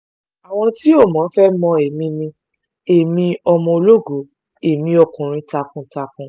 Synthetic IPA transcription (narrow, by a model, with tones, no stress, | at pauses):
a˨w̃ɔ̃˧ti˦o˦˨mɔ̃˨˦fɛ˦mɔ̃˧e˨mĩ˧nĩ˧ | e˨mĩ˧ɔ˧mɔ̃˧o˧lo˦ɡo˨˦ | e˨mĩ˧ɔ˧kũ˨ɾ̃ĩ˧ta˧kũ˧ta˧kũ˧